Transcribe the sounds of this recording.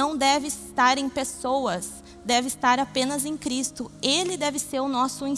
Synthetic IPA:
ɐ̃w̃d̪ɛvɪst̪aɾẽj̃pesowɐs | d̪ɛvɪst̪aɾapẽnɐzẽj̃kɾist̪ʊelɪd̪ɛvɪseɾʊnɔsʊĩ

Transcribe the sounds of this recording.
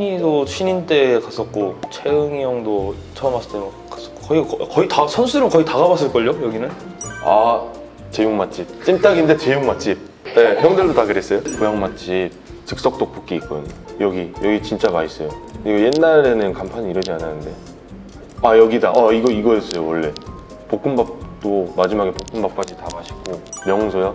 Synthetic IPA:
ɲidoɕʰinint͈e̞kas͈ʌk̚k͈ot͡ɕʰeɯŋjʌŋdo | t͡ɕʰʌmas͈ɯ̥t͈emakk͈ḁs͈ʌkokʌikkʌitasʰʌnsʰuɾɯmkʌitaɡabas͈ɯɭk͈ʌʎːojʌɡinɯna | t͡ɕe̞juŋmat͡ɕ͈ip̚t͡ɕ͈imt͈aɡinde̞t͡ɕe̞juŋmat͡ɕ͈ip̚ | e̞çjʌŋdɯɭdotaɡɯɾe̞s͈ʌjokojaŋmat͡ɕ͈ip̚t͡ɕɯk̚s͈ʌk̚t͈ok̚p͈uk̚k͈iik͈ʌdɯɲojʌɡijʌɡit͡ɕint͡ɕ͈amais͈ʌjokɯɾiɡoje̞nːaɾe̞nɯnkampʰaɲiiɾʌd͡ʑiananɯnde̞ | ajʌɡidaʔaiɡʌiɡʌjes͈ʌjowʌɭːe̞ | pok͈̚ɯmbap̚t͈omad͡ʑimaɡe̞pok͈ɯmbap̚k͈ad͡ʑitaɡaɕʰi̥ɡomjʌŋsʰojʌ

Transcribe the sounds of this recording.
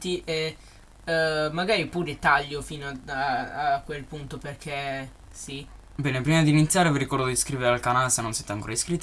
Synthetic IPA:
t̪iʔe | maɡaːɾipuːɾet̪aʎːofinoaaakwelpunt̪operkʰe | si | bɛːnepɾimad̪iːnit̪sːjaːɾeviɾikɔrd̪od̪iskɾiveɾealkanaːlesenːonsɛːt̪eaŋkoːɾaiskɾit̪ː

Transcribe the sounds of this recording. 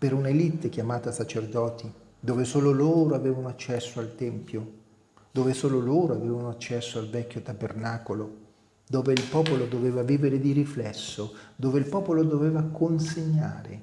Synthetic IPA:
peɾunelit̪ːekjamaːt̪asat͡ʃerd̪ɔːt̪i | d̪oːvesoːloloːɾoaveːvanoat͡ʃːɛsːoalt̪ɛmpjo | d̪oːvesoːloloːɾoaveːvanoat͡ʃːɛsːoalvɛkʲːot̪abernaːkolo | d̪oːveilpɔːpolod̪oveːvaviːveɾed̪iɾiflɛsːod̪oːveilpɔːpolod̪oveːvakonseɲːa̰ːɾḛ

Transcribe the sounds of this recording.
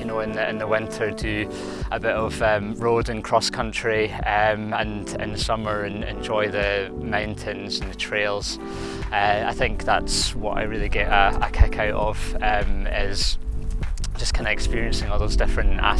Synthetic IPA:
jənoɪ̃nɪ̰̃nðəwɪ̃ntʰə˞dʰə | ʔəbɪʔəvʌ̃mɹodə̃nkʰɹ̥ɔskʰʌ̃nt͡ʃɹ̥iʌmə̃n | ɪ̰̃nðəsʌmə˞ə̃nɛ̰̃nd͡ʒɔɪðəmãʊ̃ntʰɪ̃nzə̃nðətʰɹ̥elˠz̥ | ʌa̰ɪθɪ̃ŋk̚ðatswʌ̰ʔa̰ɪɹilˠiɡɛʔəə̰kʰɪkʰaʊʔəv̥ʌ̃mɪz̥ | d͡ʒ̥ʌskʰãɪ̃ndɨɛkspiɹiə̃nsɪ̃ŋɔlˠðozdɪfɹə̃nʔa̰

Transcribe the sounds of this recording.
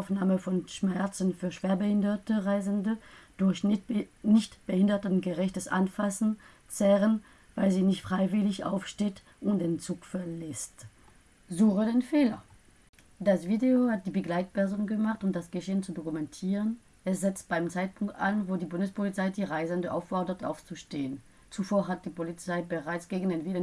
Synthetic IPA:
ʊfnaːməfɔnʃmɛɐt͡sn̩fyːɐʃv̥eːɐbəhɪndɐtəʁaɪzəndəd̥ʊɐçnɪçtb̥əhɪndɐtənɡəʁɛçtəsʔa̰nfasn̩ | t͡sɛʁən | v̥aɪlziːnɪçtfʁ̥aɪvɪlɪçʔa̰ʊfʃteːt | ʔʊntd̥eːnt͡suːkfɛɐlɛst | zuːχədeːnfeːlɐ | d̥asv̥iːdeohat̚d̥iːbəɡlaɪt̚pɛɐzoːnɡəmaχtʊmtd̥asɡ̥əʃeːənt͡sudokumɛntʰiːʁən | ɛsz̥ɛt͡stb̥aɪmt͡saɪt̚pʰʊŋk̚ta̰nvoːdiːbʊndəspʰolit͡saɪdiːʁaɪzɛndəʔa̰ʊfɔɐdɐtʰʔa̰ʊft͡suʃteːən | t͡sufoːɐɦat̚d̥iːpolit͡saɪbəʁaɪt͡sɡ̥eːɡn̩dɪnvɪlən

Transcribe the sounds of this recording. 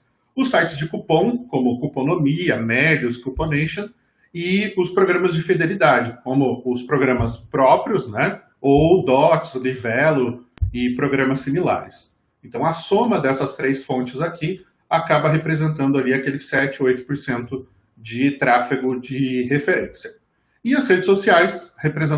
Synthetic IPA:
ʊsajt͡ʃɪzd͡ʒɪkupõw̃kõmʊkuponomiɐmɛd͡ʒʊskuponeʃɐ̃ | ɪʊspɾoɡɾɐ̃mɐzd͡ʒɪfid̪elid̪ad͡ʒɪkʰõmʊʊspɾoɡɾɐ̃mɐspɾɔpɾiʊsnɛ | owd̪ɔkslivɛlʊɪpɾoɡɾɐ̃mɐsːimila̰ɾɪs | ẽnt̪ɐ̃w̃ɐsõmɐd̪ɛsɐst̪ɾejsfõnt͡ʃɪzakʰi | akabɐɦepɾezẽnt̪̬ɐ̃nd̪ʊaliakelɪsɛt͡ʃɪojt̪ʊ̥poɾsẽnt̪ʊ | d͡ʒɪt̪ɾafiɡʊd͡ʒɪɦefeɾḛ̃sjɐ | ɪɐzhed͡ʒɪsosiajshepɾezẽ

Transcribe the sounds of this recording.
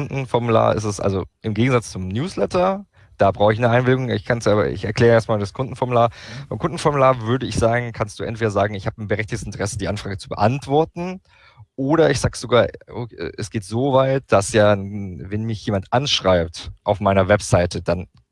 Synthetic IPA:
ndn̩fɔɐmula̰ːɐʔɪ̰stɛsʔa̰lzoʔɪmɡeːɡŋ̩zat͡st͡sʊmnjuːslɛtɐ | d̥aːbʁaʊxəɪçnəʔaɪnbɪlɪɡʊŋɪ̰çkʰansaːbɐ̰ʔɪ̰çɛɐklɛːʁəeːɐstmaːldaskʰʊndn̩fɔɐmulaːɐfaɪmkʊnd̥n̩fɔɐmulaːɐvʏɐdəɪçz̥aːɡŋ̩kʰanstd̥uːʔɛ̰ntv̥eːɾɐzaːɡŋ̩ɪçhaːbnbəʁɛçtɪçtəsɪntʰəʁɛsədiːʔanfʁ̥aːɡət͡subəʔantv̥ɔɐtn̩ | ʔoːɾɐɪçz̥aːɡəz̥oɡaːɐo̰ʔɛsɡ̥eːtz̥oːvaɪt̚d̥asjaːvɛnmɪçjeːmantʔanʃʁ̥aɪp̚tʔaʊfmaɪnɐvɛpz̥aɪtʰəd̥an

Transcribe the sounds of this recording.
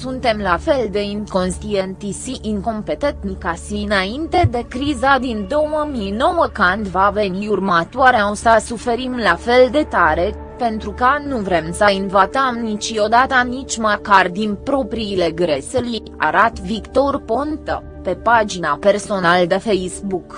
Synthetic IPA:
sunt̪e̞mlafe̞ld̪e̞iŋko̞nst̪ient̪isiʔiŋko̞mpet̪et̪nikasiɨnaint̪e̞d̪e̞kɾizad̪ind̪o̞wəmino̞wəkand̪ʲvave̞niurmat̪waɾeausasufe̞ɾimlafe̞ld̪e̞t̪aɾe̞ | pe̞nt̪ɾukanuvɾe̞msəinvat̪əmnit͡ʃio̞d̪at̪ənit͡ʃʲmakard̪inpɾo̞pɾiːle̞ɡɾe̞seli | a̰ɾat̪vikt̪o̞rpo̞nt̪ə | pe̞pad͡ʒinape̞rso̞nald̪e̞fejsbuk

